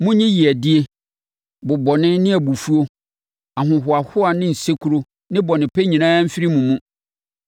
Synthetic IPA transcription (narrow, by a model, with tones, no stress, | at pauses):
mʊ̃˦ɲɪ̃˦ji˨æ˨dɪ˦e˦ | bʊ˨bɔ˨nɪ̃˦nɪ̃˦æ˨bu˨fu˦o˦ | a˨ɦʊ̃˨ɦʊ˨a˨hʊ˦a˨nɪ̃˦n̩˨se˦kʰu˦ɾo˦ | nɪ̃˦bɔ˨nɪ̃˨pʰɛ˦ɲĩ˨nãː˦m̩˦fɪ˦ɾi˦mũ˨mũ˦